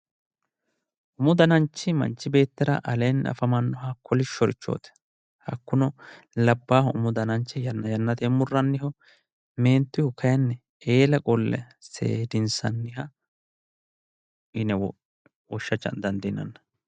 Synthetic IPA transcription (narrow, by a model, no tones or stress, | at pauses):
ʔʊmʊd̪ɐnɐnt͡ʃːɪmɐ̰nt͡ʃːɪbe̞ːt̪ːɪɾɐ̰ʔɐlenːɐ̰fɐmɐnːɔɦɐkʰːɔlɪʃɔɾɪt͡ʃːo̰ːt̪ɛ̥ | hɐkːʊnɔ | lɐbːaːhʊmʊd̪ɐnɐnt͡ʃːɛjɐnːɐjɐnːɐt̪ɛmʊrːɐnːɪhɔ | me̞ːnt̪ːɪhʊkːɐjɐnːɛ | e̞ːlɐkʼɔlːɛ̰ | sḛːd̪ɪnsɐnːɪhɐ | ɪnɛ | wɔʃːɐt͡ʃːɐ̰nd̪ɐnd̪ɪnɐ̰nːɐ